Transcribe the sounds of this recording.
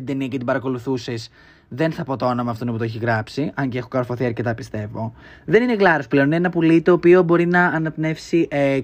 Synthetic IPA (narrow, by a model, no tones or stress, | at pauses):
t̪id̪eniɐcet̪ibɐɾɐko̞luθuses | ðe̞nθɐpo̞t̪oonomɐːft̪onoput̪oeçiɣɾɐpsiʔɐɲceexokɐɾfoθiɐɾce̞t̪ɐpi̥st̪e̞vo̞ | ðe̞nineɣlɐɾosple̞onineenɐpulit̪o̞ːpiobo̞ɾinɐːnɐpne̞fsiʔe